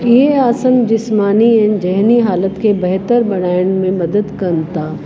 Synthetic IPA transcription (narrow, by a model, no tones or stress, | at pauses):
jeaːsəmd͡ʒɪsmaːniɛ̃nd͡ʒɛɦniɦaːlət̪kebɛɦt̪əɾbɐɽaːjənmẽmɐd̪əd̪kɐnt̪aː